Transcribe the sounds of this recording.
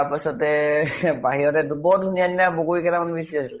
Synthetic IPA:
apasɔtɛbaɦiɹɔtɛdubɔdʱunijaninabokoɹikɛtamanbisiasil

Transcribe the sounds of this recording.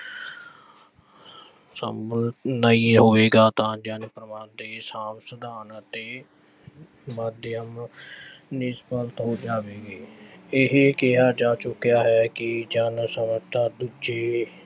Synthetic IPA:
səmbəlt̪nəiːɦoːʋeːɡaːt̪ãːd͡ʒənpɾəmaːd̪eːsãːmsəd̪aːnat̪eː | maːd̪jəm | nɪspəlt̪ɦoːd͡ʒaːʋeːɡeːɪɦkɪɦaːd͡ʒaːt͡ʃʊkjaːɦɛːkɪd͡ʒənsəmət̪ʰaːd̪ud͡ʒeː

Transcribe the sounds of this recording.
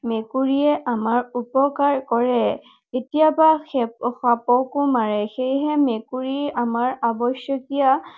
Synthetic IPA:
mekuɹiɛʔamaɹupɔkaɹkɔɹɛ | etijabaxxapɔkʊmaɹɛxejɦɛmekuɹiamaɹabɔsjɔkija

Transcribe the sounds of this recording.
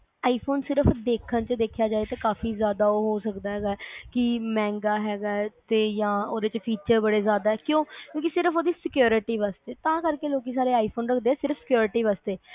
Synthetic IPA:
aːiːpʰoːnsɪɾəpd̪eːkʰənt͡ʃd̪eːkʰjaːd͡ʒaːet̪ãːkaːfiːzjaːd̪aːoːɦoːsəkd̪aːɦɛːɡaːɛkɪmɛ̃ːŋɡaːɦɛːɡaːt̪eːjãːoːd̪eːt͡ʃpʰiːt͡ʃəɾbəɽeːzjaːd̪aːɛːkjõːkjõːk̬isɪɾəpʰoːd̪iːsɪkjoːɾɪʈiːʋaːst̪eːt̪ãːkəɾkeːloːkiːs̬aːɾeːaːipʰoːnɾəkʰd̪eːɛːsɪɾəfsɪ̥kjoːɾɪʈiːʋaːst̪eː

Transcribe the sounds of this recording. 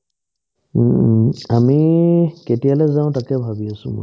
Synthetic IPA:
amiketialɛzaʊ̃takɛbʱabiasʊ̰̃mʊ̰

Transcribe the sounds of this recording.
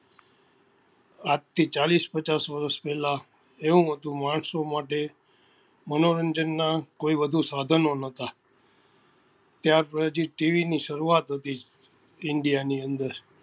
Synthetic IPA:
at̪ʰːit͡ʃalispət͡ʃasʋəɾəspɛɦla | eũɦət̪ũmaɳ̃somaʈe | mənoɾənd͡ʒənːakoibəd̪ʱũsad̪ʱənonət̪a | t̪jaɾpəd͡ʒiʈiʋiniʃəɾuat̪ɦət̪i | ɪɳɖijaniənd̪əɾ

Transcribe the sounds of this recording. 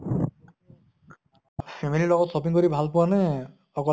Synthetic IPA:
pʰemililɔɡɔt̪sɔpiŋkɔɾibʱalpuane | ɔkɔ

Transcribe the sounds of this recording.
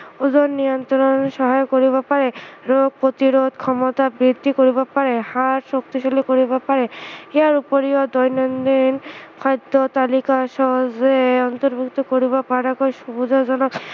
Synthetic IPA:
uzonnːiɔnt̪oɾonʃɔɦajokoɾibapaɾeɾoɡ̚pɾot̪iɾod̪kʰɔmot̪abɾid̪ʱːikoɾibapaɾehaɾʃokt̪iʃolikoɾibapaɾeeaɾupoɾiod̪ɔjnɔnd̪inkʰɔjd̪ːot̪alikaʃɔɦɔzeɔnt̪oɾbʱukt̪ɔkoɾiβapaɾakɔʃubud͡zad͡ʑɔnɔk

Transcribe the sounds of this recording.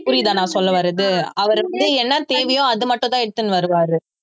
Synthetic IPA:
pʊɾɪjðãːnãːsɔlːɐʋɐɾɐðɯɐʋɐɾʋɐnd̪ɯɛnːɐt̪eːʋɐjõɐðɯmɐʈːʊ̃t̪ãːɛɽɯt̪ːɯnːɯʋɐɾɯʋaːɾɯ

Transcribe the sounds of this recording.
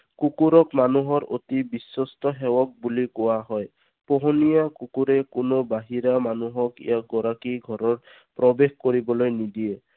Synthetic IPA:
kukuɾɔkmanuɦɔɾot̪ibisɔstɔɦewɔk̚bulikɔwaɦɔj | poɦɔnijakukuɾekunobaɦiɾamanuɦɔkḭjaɡɔɾakiɡʱɔɾɔɹ | pɾɔbexkoɾibɔlojnid̪ie

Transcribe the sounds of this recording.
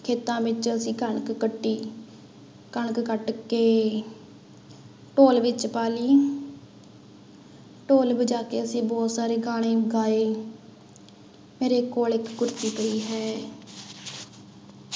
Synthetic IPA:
kʰeːt̪ãːʋɪt͡ʃəsĩːkəɳkkəʈːiː | kəɳkkəʈkeː | ʈoːlʋɪt͡ʃpaːliː | ʈoːlbəd͡ʒaːkeːəsĩːbɔːt̪saːɾeːɡaːɽ̃ẽːɡaːeː | meːɾeːkoːlɪkːʊɾt̪iːpəiːɦɛː

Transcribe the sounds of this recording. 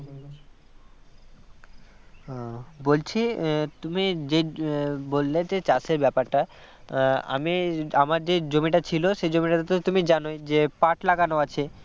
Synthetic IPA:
bolt͡ɕʰit̪umid͡ʑebolːed͡ʑet͡ɕasʰebɛpaɾʈa | a̰miamaɾd͡ʑed͡ʑomiʈat͡ɕʰiloʃejd͡ʑomiʈat̪ot̪ot̪umid͡ʑanojd͡ʑepaʈlaɡanoat͡ɕʰe

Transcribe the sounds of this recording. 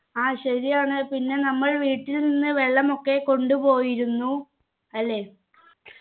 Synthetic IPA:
aːɕɐɾijaːɳɨpinːe̞nɐmːɐɭʋiːʈːilninːɨʋe̞ɭːɐmo̞kːe̞ko̞ɳɖupo̞ːjiɾunːu | ɐlːe̞ː

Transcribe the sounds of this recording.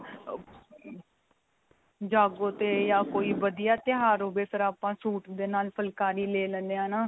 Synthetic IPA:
d͡ʒaːɡõːt̪eːjaːkoːiːʋəd̪ɪjaːt̪ɪɦaːɾoːbeːsəɾaːpãːsuːʈd̪eːnaːlpʰəlkaːɾiːleːlɛ̃nd̪eãːnaː

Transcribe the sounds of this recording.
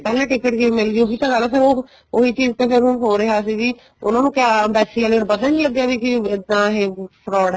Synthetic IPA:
pɛːlẽːʈɪkɪʈɡemɪlɡɪjõːkiːt̪ãːɡəlːpɪɾoː | oɦiːt͡ʃiːzt̪ẽːpʰɪɾɦʊnɦoːɾeɦaːs̬iːɡiː | ʊnãːnũːkjaːbɛːsileoɾbəd̪ãniːləɡjaːʋiːkɪɪd̪ãːɦeːpʰɾɔːɽ

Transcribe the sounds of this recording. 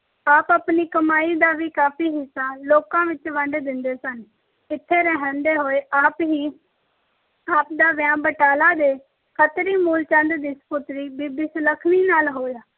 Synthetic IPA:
aːpapniːkəmaːiːd̪aːʋiːkaːpʰiːɦɪsːaːloːkãːʋɪt͡ʃʋəɳɖd̪ɪnd̪eːsən | ɪt̪ʰːeːɾɛɦə̃nd̪eːɦoːeːʔaːpɦiː | aːp̚d̪aːʋjãːbəʈaːlaːd̪eː | kʰət̪ɾiːmuːlt͡ʃə̃nd̪d̪ispʊt̪ɾiːbiːbɪsləkʰniːnaːlɦoːjaː

